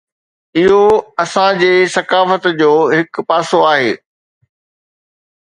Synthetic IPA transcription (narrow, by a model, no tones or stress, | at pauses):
ɪɦoɐsãd͡ʑeːsɐkaːfət̪d͡ʑoːɦɪk̆paːsoaːɦeː